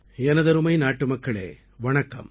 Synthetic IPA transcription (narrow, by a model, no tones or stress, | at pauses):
ɛnɐðɐɾɯmɐɪnaːʈːɯmɐkːɐɭḛː | ʋɐɳɐkːɐ̰m